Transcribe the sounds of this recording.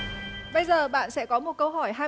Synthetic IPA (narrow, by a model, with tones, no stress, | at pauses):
ɓə˧jzəː˨˩ɓa̰ː˧˨nsɛ̰˧˥kɔ˨˦mo˨˩t̚kə˧wɦɔ˧˩jɦaː˧